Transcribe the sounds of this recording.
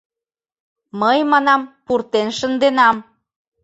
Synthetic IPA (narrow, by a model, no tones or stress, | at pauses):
məjmɑnɑmpurt̪enʃənd̪enɑm